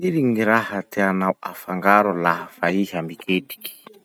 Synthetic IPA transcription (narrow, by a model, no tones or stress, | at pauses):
iɾiŋiɾahat̪eanawafaŋɡaɾulaɦafaiɦambikʰeti̥ki̥